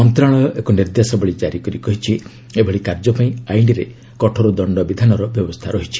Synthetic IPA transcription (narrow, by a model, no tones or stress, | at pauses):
ɔnt̪ɾaɭ̃ɔɔʔekɔniɾd̪jasɔbɔɭid͡ʒaɾikɔɾikɔɦit͡ʃʰi | ebʱɔɭikaɾd͡ʒɔpaĩajɳɖiɾe | kɔʈʰɔɾud̪ɔɳɖɔbid̪ʱanɔɾɔbjɔbɔst̪ʰaɾɔɦit͡ʃʰi̥